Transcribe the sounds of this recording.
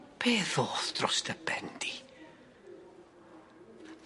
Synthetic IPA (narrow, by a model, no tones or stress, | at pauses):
pʰeːθoːθd̥rɔstəbɛnd̥i